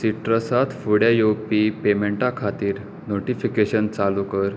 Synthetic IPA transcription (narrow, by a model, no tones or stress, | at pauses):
siʈɾəsat̪fuɽjajowpipemeɳʈakʰat̪iːɾ | noʈifikeɕənt͡salukəɾ